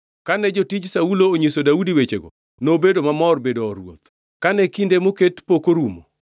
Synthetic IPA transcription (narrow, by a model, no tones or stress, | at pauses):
kanɛd͡ʒotid͡ʒsaulooɲesodaudiwet͡ʃeɡo̰ | nobedomamɔrbedoɔɾwo̰t̪ | kanɛkindemoketpokoɾumo̰